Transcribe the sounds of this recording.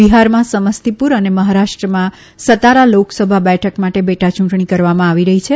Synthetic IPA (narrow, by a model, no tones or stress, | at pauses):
ʋiɦaɾmãsəməst̪ipuɾəneməɦaɾaʂʈɾəmã | sət̪aɾaloksəbʱabɛʈʰəkmaʈebeʈat͡ʃũɳʈɳikəɾʋamãaʋiɾəɦit͡ʃʰe